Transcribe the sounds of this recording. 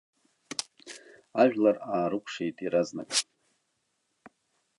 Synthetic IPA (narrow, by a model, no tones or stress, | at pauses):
aɥʒᶣlaraːɾɨkʷʰʂejtʼiɾaznakʼ